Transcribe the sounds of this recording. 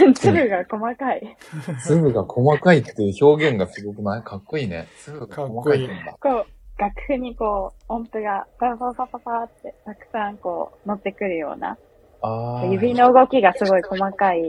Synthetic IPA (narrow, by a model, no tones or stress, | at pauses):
t͡sɨbɯ̟ɡako̞makaisɨbɯ̟ɡakʰo̞makait̪ːe̞jɯ̟ço̞ːɡẽ̞ŋɡasɨɡo̞kɯ̟nakʰakːo̞iːne̞̰sɨbɯɡaomakaiẽnd̪a̰ko̞ːɡ̥akɯ̟̥hɯ̟ɲ̟iko̞ːõmpɯ̟ɡapasasapapat̪ːe̞t̪akɯ̟̥sãŋko̞̰ːno̞t̪ːe̞kɯ̟ɾɯ̟jo̞̰ːna̰ | akojɯ̟bʲinːo̞ɯ̟ɡo̞kʲiɡasɨɡo̞iko̞makai